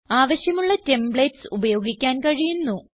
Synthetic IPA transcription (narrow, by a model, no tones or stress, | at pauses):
aːʋɐɕjɐmuɭːɐte̞mbɭeːtsubɐjo̞ːɡikʲːaːnkɐɻijunːu